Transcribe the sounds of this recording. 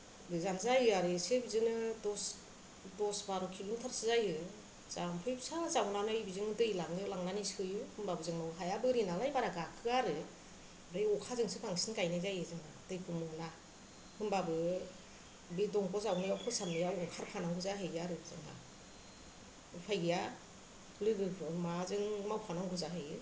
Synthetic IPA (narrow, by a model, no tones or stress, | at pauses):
bɯzanzajɯaɾɯsebizɯnɯdɔs | dɔsbaɾukʰiluŋtʰaɾsɯzajɯ | z̥ampʰɯjbsazawnanɯibizɯŋdɯjlaŋnɯlaŋnanisɯjɯhɯnmbabɯzɯŋnɔwɦajabɯɾinalajbaɾaɡakʰɯaɾɯ | ɾɯjɔkʰazɯŋsʰɯkʰaŋsinkajnajzajɯzɯŋadɯjkʰɯmɯna | hɯnbabɯ | bidɔŋkʰɔzawnɯjawkʰɔsamnɯjawɔŋkʰaɾpʰanaŋɡɯzaɦɯjɡjaɾɯzɯ̰ŋa̰ | pʰajɡɯja | lɯɡɯbɯmazɯŋmawpʰanaŋɡɯzaɦɯjɯ